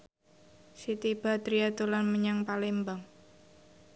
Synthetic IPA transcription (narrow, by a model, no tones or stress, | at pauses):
sit̪ib̥a̤t̪ɾiat̪ulanməɲaŋpalembaŋ